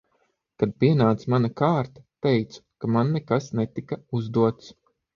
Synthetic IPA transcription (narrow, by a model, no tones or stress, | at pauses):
kad̪̚piɛnaːt̪smanakaːɾt̪ḁt̪ɛjt̪su̥kamanːɛkasnɛt̪ikauzd̪uɔt̪s